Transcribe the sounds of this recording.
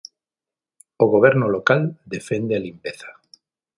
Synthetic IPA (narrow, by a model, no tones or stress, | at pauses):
oɣoβ̞ɛɾnʊlokald̪efend̪ealimpeθḁ